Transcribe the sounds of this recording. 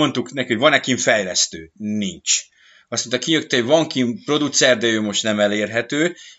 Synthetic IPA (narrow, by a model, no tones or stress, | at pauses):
o̞nt̪uknɛkihovɒnɛkiɱfɛjlɛst̪ø̰ːnint͡ʃ | ɒsmont̪ɒkiɲøk̚t̪ɛvɒŋkimpro̞d̪ut̪sɛrd̪ɛøːmo̞ʃt̪nɛmɛleːrɦɛt̪øː